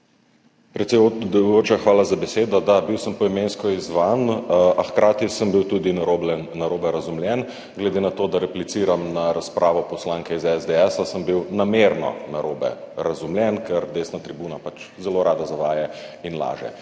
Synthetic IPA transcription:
pɾɛt̪sɛjod̪joːt͡ʃaxʋaːlazabɛseːd̪ɔd̪abiwsəmpɔimenskɔizʋanaxkɾaːt̪isəmbiwt̪uːd̪inaɾoblɛnːaɾoːbɛɾazumlʲjɛn | ɡlɛd̪enat̪oːd̪aɾɛplit̪siːɾamnaɾaspɾʔaːʋɔpɔslaːŋkɛizɛzd̪eɛsasəmbiwnameɾnɔ̰naɾoːbɛ̰ | ɾazumljɛnkɛɾd̪eːsnat̪ɾibuːnapat͡ʃ | zɛloɾʔaːd̪azaʋaːjɛinla̰ːʒɛ̰

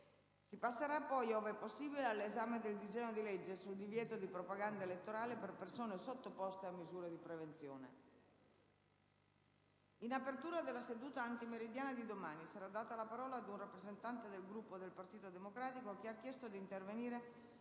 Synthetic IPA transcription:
sipasːeɾapːɔjoːveɛpːosːiːbilealːezaːmed̪eld̪izɛːɲːod̪ilɛd͡ʒːesuld̪ivjɛːt̪od̪ipɾopaɡand̪aelet̪ːoɾaːleperpersoːnesot̪ːopɔst̪eamːizuːɾed̪ipɾevent̪sjoːnḛ | inapert̪uːɾad̪elːased̪uːt̪aːnt̪imeɾid̪jaːnad̪id̪omaːnisaɾad̪ːaːt̪alapaɾɔːlaːd̪unrapːɾezent̪ant̪ed̪elɡɾupːod̪elpart̪iːt̪od̪emokɾaːt̪ikokeakːjɛst̪od̪iːnt̪erveniːɾe

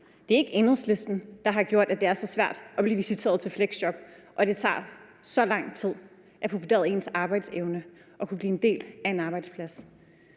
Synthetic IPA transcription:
d̥e̝æɐe̝ɡ̥əenʁɐsle̝sd̥n̩d̥ɑ̈ɦɑ̈ɡ̥jo̝ɐ̰d̥ædd̥e̝æɐsɒ̽sʋæɐ̰d̥æb̥liːʋisit͡sʰe̝̰ːɐðˠt͡sʰe̝lfleɡ̥sɕɒ̽b̥ʔɒ̽d̥e̝t͡sʰɑ̰̈ːsɒ̽lɑ̈ŋ̰t͡sʰið̞̰ˠ | ʔæpʰʁofid̥e̝̰ːɐðˠe̝̰nsɑ̈ːb̥ɑ̈ɪd̥seʊnə | ʔɒ̽kʰub̥liːend̥e̝̰ːld̥æe̝nɑb̥ɑ̈ɪd̥spʰlæs

